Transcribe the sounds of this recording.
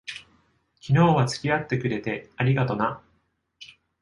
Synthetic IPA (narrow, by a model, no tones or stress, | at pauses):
kʲino̞ːβat͡sɨ̥kʲiat̪ːe̞kɯ̟ɾe̞t̪e̞aɾʲiɡat̪o̞na